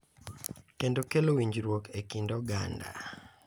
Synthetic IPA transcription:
kendokelowiɲd͡ʒɾwokʰekindɔɡa̰nda̰

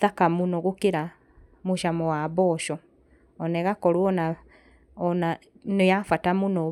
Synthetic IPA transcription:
ðakamunɔɣokeɾa | moʃamɔwabɔʃɔ | ɔnɛɣakɔɾwɔna | ɔnanojafatamunɔ

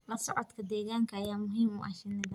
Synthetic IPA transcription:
lɐsɔʕɔt̪kʰɐd̪ɛːɣaːŋkʰɐjaːmʊɦiːmṵːʔɐʃɪnːɪðɐ

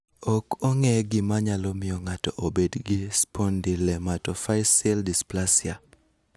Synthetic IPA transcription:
okoŋɛɡɪmaɲalɔmɪjɔŋatɔʔobedɡɪspondilɛmatɔfajsɛldisplasɪa

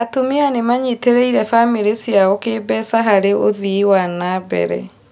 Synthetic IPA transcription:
atumianemaɲiteɾeiɾɛfamiɾesjaokeːbɛsaɦaɾeoðiwanabɛ̰ɾɛ̰

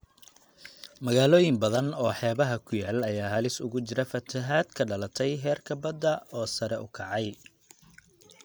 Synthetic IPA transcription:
mɐɣaːlɔːjɪmbɐðɐnɔːħɛːβɐɦɐkʰʊjaːlɐjaːɦɐlɪsʊ̰ɣʊt͡ʃɪɾɐfɐt̪ʰɐɦaːd̪kʰɐɖɐlɐt̪ʰɛjɦɛːrkʰɐbɐd̪ːɐɔːsɐɾɛʔʊkʰɑʕɑj

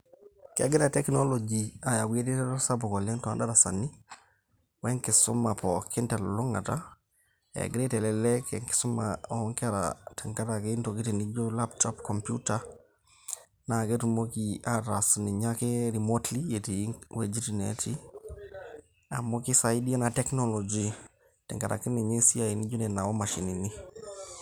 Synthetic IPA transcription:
kḛɡiɾatɛknolod͡ʒiajawietitɛdosabɔkolɛntɔadaɾasanːi | weŋkisṵmːapokintɛlluŋa̰ta | ḛɡɾetɛlɛlɛkḛŋki̥sumːa̰ɔŋkaɾa̰taŋkatakeintoɡitinid͡ʒɔlaptopkompjuta | naketumokiadasniɲakeɾimotlijetiwed͡ʒitineti | a̰mokisajidianatɛknolod͡ʒi | tɛŋkaɾa̰kiniɲesiainiɟonɛnawomaʃinini

